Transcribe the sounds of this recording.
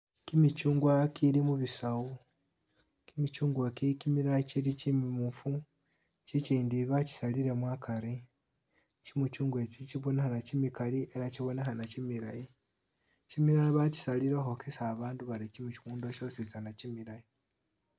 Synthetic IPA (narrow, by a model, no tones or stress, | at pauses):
kimit͡ʃuːŋɡwakilimuβisawu | kimit͡ʃuːŋɡwakikimiɾait͡ʃiɾit͡ʃimimufu | t͡ʃit͡ʃiːndiβaci̥saliɾe̞mwakʰaɾi | t͡ʃimut͡ʃuːŋɡwet͡ʃit͡ʃiβonexanat͡ʃimikalie̞ɾat͡ʃiβo̞nexanat͡ʃimiɾaji | cimiɾaiβaci̥saliɾexokisaːβaːnduβaɾit͡ʃimut͡ʃimuːndoʃo̞sisanat͡ʃimiɾaji